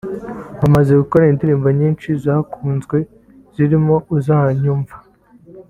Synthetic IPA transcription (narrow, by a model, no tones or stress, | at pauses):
βamaze̞ɡukoɾaindiɾiːmbaɲiːnt͡ʃizaːkʰuːnzɡwe̞ | z̥iɾimo̞uzahaɲuːɱvḁ